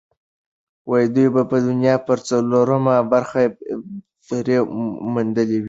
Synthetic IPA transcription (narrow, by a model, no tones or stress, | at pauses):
wajid̪ujbapəd̪ʊnjɑpəɾt͡saloɾəmabaɾxa | ɾemund̪əlewi